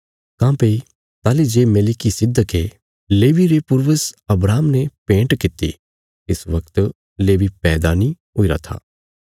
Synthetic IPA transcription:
kãːpeː | t̪aːlid͡ʒeːmeːlɪkisɪd̪əke | leːʋiɾepʊɾʋəsɐbɾaːmnepẽːɳʈkɪt̪ḭ | ɪsʋɐkt̪ | leːʋipɛːd̪ani | ɦʊiɾa̰t̪ʰa̰ː

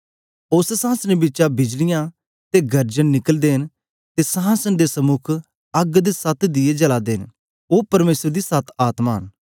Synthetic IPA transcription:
oːsesãːsənebɪtːʃabɪd͡ʒlɪjã | t̪eɡɐɾd͡ʒənnɪkəld̪eːɦn | t̪esãːsənd̪esɐmʊkʰ | ɐɡd̪esɐt̪ʰd̪ɪed͡ʒɐlad̪eːn | oːpɐɾmeːsəɾd̪isɐt̪ʰaːt̪maːɦə̰n

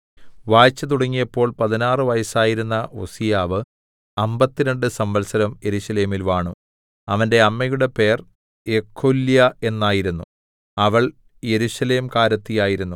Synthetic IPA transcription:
ʋaːt͡ɕːɐt̪̬uɽɐŋːijɐpːo̞ːɭpɐðinaːrɨʋɐjɐsaːjiɾunːɐʔo̞sijaːʋɨ | ɐmbɐt̪ːiɾɐɳɖɨsɐmʋɐlsɐɾɐmje̞ɾuɕɐle̞ːmilʋaːɳu | ɐʋɐnde̞ɐmːɐjuɽe̞pe̞ːr | e̞kʰːoljɐe̞nːaːjiɾunːu | ɐʋɐɭ | je̞ɾuɕɐle̞ːmkaːɾɐt̪ːijaːjiɾunːu

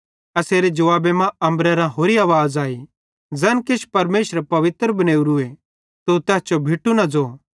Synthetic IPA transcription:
ɐseːɾed͡ʒɐʋaːbemãɐ̃mbɾɛɾãɦoːɾiaːʋaːzaːi | d͡zɛːnkɪʃpɐɾmeːʃɾepɐʋɪt̪ɾbɐneːuɾue | t̪ot̪ɛːst͡ʃobʱɪʈːunɐd͡zoː

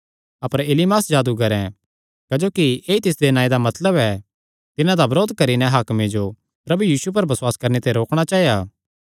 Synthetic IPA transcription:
ɐpəɾeːlimaːsd͡ʒaːd̪ukɐɾɛ̃ | kɐd͡ʒoːkieːit̪ɪs̬d̪enãːĩd̪amɐt̪ləbɛ | t̪ɪnãd̪abɾoːd̪̚kɐɾinɛ̃ɦaːkmẽd͡ʒo | pɾɐbujiːsup̬ɐɾbɐswaːskɐɾnet̪eɾoːkɽ̃at͡ʃaːɦijaː

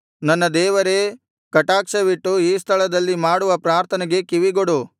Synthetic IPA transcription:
nɐnːɐd̪ɛːʋɐɾe | kɐʈaːkʂɐʋiʈːuiːst̪ʰɐɭɐd̪ɐlːimaːɽuʋɐpɾaːɾt̪ʰɐnɛɡe̞kiʋiɡoɽu

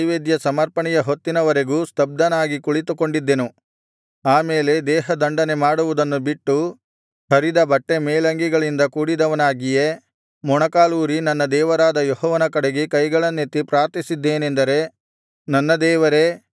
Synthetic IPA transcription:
ʋeːd̪jɐsɐmɐɾpɐɳɛjɐɦo̞t̪ːinɐʋɐɾe̞ɡuːst̪ɐb̚d̪ɐnaːɡikuɭit̪uko̞ɳɖid̪ːenu | aːmeːle̞d̪ɛːɦɐd̪ɐɳɖɐne̞maːɽuʋud̪ɐnːubiʈːu | hɐɾid̪ɐbɐʈːe̞meːlɐŋɡiɡɐɭind̪ɐkuːɽid̪ɐʋɐnaːɡije | mɔɳɐkaːluːɾinɐnːɐd̪ɛːʋɐɾaːd̪ɐjɔɦɔːʋɐnɐkɐɽeɡekɐjɡɐɭɐnːet̪ːipɾaːɾt̪isid̪ːeːnend̪ɐɾe̞ | nɐnːɐd̪ɛːʋɐɾe̞

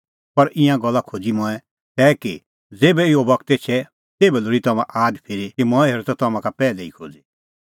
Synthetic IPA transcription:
pɐɾɪ̃ãɡɐlːakʰoːd͡zimɔ̃ɛ̃ | t̪ɛːki | d͡zeːbɛɪobɐkʰt̪et͡ʃʰɛ | t̪eːbɛlʊɾit̪ɐmã̰ʔaːd̪pʰeːɾikimɔ̃ɛ̃ɦeːɾot̪ɔt̪ɐmãkapɛːlɛḭkʰo̰ːd͡zi

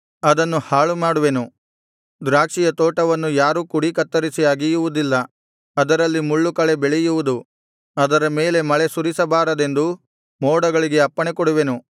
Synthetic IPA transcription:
ɐd̪ɐnːuhaːɭumaːɽuʋe̞nu | d̪ɾaːkʂijɐt̪oːʈɐʋɐnːujaːɾuːkuɽikɐt̪ːɐɾisijaːɡijuʋud̪ilːɐ | ɐd̪ɐɾɐlːimuɭːukɐɭe̞beɭɛjuʋud̪u | ɐd̪ɐɾɐme̞ːle̞mɐɭe̞suɾisɐbaːɾɐd̪e̞nd̪u | mɔːɽɐɡɐɭiɡe̞ɐpːɐɳekɔɽuʋe̞nu

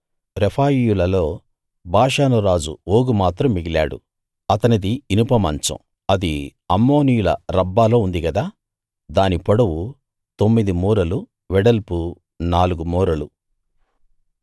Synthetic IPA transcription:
ɾepʰaːjijulɐlo̞ː | bʱaːʂaːnuɾaːd͡ʒṵoːɡumaːt̪ɾɐmːiɡila̰ːɽṵ | ɐt̪ɐnɐd̪iːnupɐmɐ̰nt͡ʃɐ̰m | ɐd̪iɐmːo̞ːnijulɐ̰ɾɐbːaːlo̞ːund̪iɡɐd̪aː | d̪aːnipɔɽɐwu | t̪omːid̪imuːɾɐlu | ʋɛɽɐlpu | naːluɡumuːɾɐlu

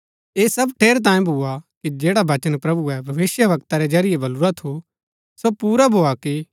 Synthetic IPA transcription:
eːsɐbʈʰeːɾt̪̬ãːẽbʱuakid͡ʒeːɽabɐt͡ʃənpɾɐbuɛbʱɐʋɪsjəʋɐkt̪aɾɛd͡ʒɐɾɪjebɐluɾat̪ʰo | sopuːɾabʱoːaki

